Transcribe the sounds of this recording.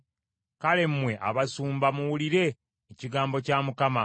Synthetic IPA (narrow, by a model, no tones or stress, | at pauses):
kale̞m̩ːwe̞ʔa̰βasuːmbamuwuliɾe̞ː | ciɡaːmbo̞caːmukama